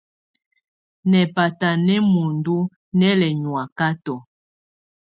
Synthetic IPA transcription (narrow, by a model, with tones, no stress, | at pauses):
nɛ˨pa˨ta˨nɛ˦mo˨ndo˦ | nɛ˦lɛ˨ɲwa˨ka˦tɔ˨